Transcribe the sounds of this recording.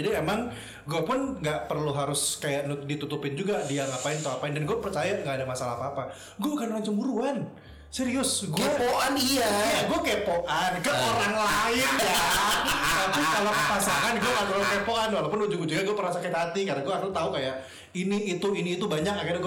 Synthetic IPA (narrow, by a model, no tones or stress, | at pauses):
adiemaŋ | ɡuapʊnŋɡaʔpərluɦaɾʊskajaʔnudit̪ut̪upɪnd͡ʒuɡadiaŋapaɪnt̪aapaɪndanɡuapərt͡ʃajaŋɡaʔːdamasalaapaːpa | ɡuaukanraɲt͡ʃəmbuɾuan | seɾiʊsɡueapoʔaniajaɡuakepoʔankəoɾaŋlaɪnja | lakʊkalakəpasaŋanɡuakaʔt̪ukalokepoʔanwalapʊnud͡ʒuɡd͡ʒuɡaɡuapərasakət̪ɦat̪ikarnaɡuaɦaɾʊst̪aukajaʔ | iniːt̪uiniːt̪ubaɲak̚akɪrɲaɡu